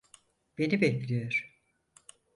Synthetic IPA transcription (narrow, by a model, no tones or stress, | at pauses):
b̥e̞nibɛclʲijoɾ̥